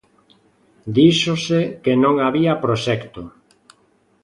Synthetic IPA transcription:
d̪iʃosekenõŋaβiapɾoʃɛkt̪o

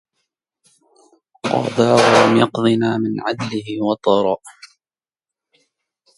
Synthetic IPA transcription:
qɑ̰ːd̪ˤɑːɣʊlamjɑqd̪ˤɨnaːmɪnʕad̪lɪhɪwɑt̪ˤɑːɾˤɑːʔ

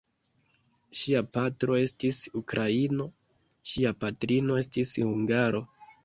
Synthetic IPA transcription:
ʃiapatɾo̞e̞stisukɾʔaino̞ | ʃiapatɾino̞e̞stishuŋɡaɾo̞

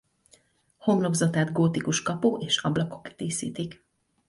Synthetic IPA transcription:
ho̞mlo̞ɡzɒt̪aːd̪ɡoːt̪ikuʃkɒpoːʔeːʃɒblɒko̞̥kt̪iːsḭːt̪ik

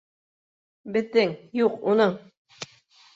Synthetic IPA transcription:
bɘ̆ðɘŋjuqunɤɴ

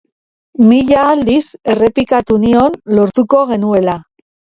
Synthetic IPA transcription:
miʎalise̞re̞pikat̪unio̞nlo̞ɾt̪uko̞ɣ̞e̞nue̞la

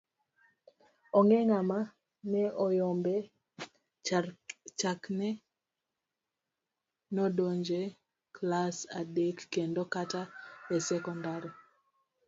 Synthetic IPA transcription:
ɔŋɛŋama | nɛʔɔjɔmbɛ | t͡ʃaknɛ | nodoɲd͡ʒe | klasa̰dekːendokataɛsɛkɔndaɾi

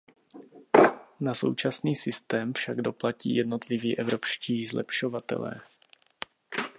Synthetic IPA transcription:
naso̞̰wt͡ʃasniːsɪst̪ɛːmfʃaɡdo̞placḭːjɛdno̞t̪lɪviːʔɛvɾopʃciːzlɛ̰pʃo̞vat̪ɛ̰lɛ̰ː

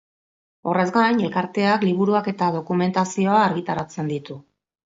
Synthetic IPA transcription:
o̞re̞zɡajɲe̞lkaɾt̪e̞akliβ̞uɾuake̞t̪aðo̞kume̞nt̪asio̞aːɾɣit̪aɾat͡se̞nd̪it̪u

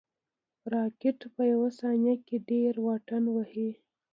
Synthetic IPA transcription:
ɾɑkɪʈpəjawasɑnjakeɖeɾwɑʈanwahi

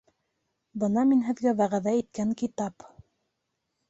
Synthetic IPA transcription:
bɤnɑminɦɘ̆ðɡæβæʁæðæit̪̚kæŋkit̪ɑp

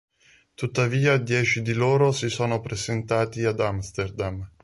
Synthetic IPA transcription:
t̪ut̪ːaviːad̪jɛːt͡ʃid̪iloːɾosisoːnopɾezent̪aːt̪iad̪amst̪erd̪am

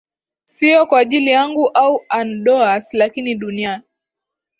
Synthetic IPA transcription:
siɔkwaːʄilijaŋɡuʔauanɗɔaslakiniɗuniani

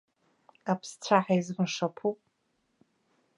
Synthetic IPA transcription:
apʰst͡ɕʷʰaħajzmɨʂapʰupʼ

